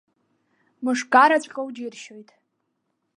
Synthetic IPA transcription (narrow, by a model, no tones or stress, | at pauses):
mɨʂɡaɾat͡ɕʷʼqʲʼowd͡ʒirʃo̞jtʼ